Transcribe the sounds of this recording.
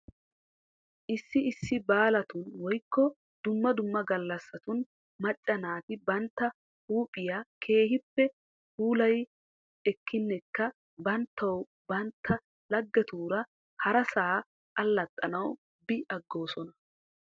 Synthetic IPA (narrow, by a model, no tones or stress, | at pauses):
ʔɪsːɪɪsːɪbaːlɐt̪ʊnwɔjkːɔ | d̪ʊmːɐd̪ʊmːɐɡɐlːɐsːɐt̪ʊn | mɐt͡ʃʼːɐnaːt̪ɪbɐnt̪ːɐ | huːpʼɪjakʰe̞ːhɪpːɛ | huːlɐj | ɛkʰːɪnːɛkːɐ | bɐnt̪ʰːɐw | bɐnt̪ʰːɐ | lɐɡːɛt̪uːɾɐ | hɐɾɐsaː | kʼɐlːɐt̪ʼːɐnɐw | bɪʔɐɡːo̞ːsɔnɐ